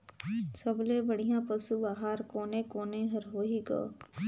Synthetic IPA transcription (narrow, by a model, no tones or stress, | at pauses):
sɐblebəɽ̤ijãpəsubaːɦaːɾkoːnekoːnẽɦɐɾɦoːiɡo̰ː